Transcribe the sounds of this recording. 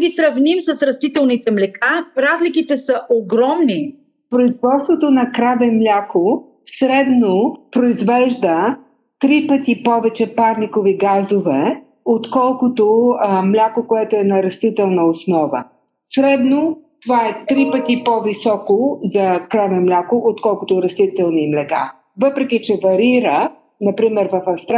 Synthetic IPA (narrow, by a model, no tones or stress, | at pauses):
ɡʲisɾɐvnimsɐsɾɐst̪it̪ɛlˠnit̪ɛmlɛkaɾazlikit̪ɛsɐʔoɡɾɔmni | pɾoizvɔt̪st̪vot̪onɐkɾavɛmlʲakʰo | sɾɛd̪nopɾoizvɛʒd̪ə | t̪ɾipət̪ipɔvɛt͡ʃɛpaɾnikoviɡazovɛ | ot̪kɔlˠkʊt̪omlʲakokoɛt̪oɛnɐɾɐst̪it̪ɛlˠnəosnɔvə̰ | sɾɛd̪not̪ovaɛt̪ɾipət̪ipɔvisɔkozɐkɾavɛmlʲakoʔot̪kɔlˠkʊt̪oɾɐst̪it̪ɛlˠnimlɛɡa̰ | vɤpɾɛkit͡ʃɛvɐɾiɾə | nɐpɾimɛɾvɐfɐfst̪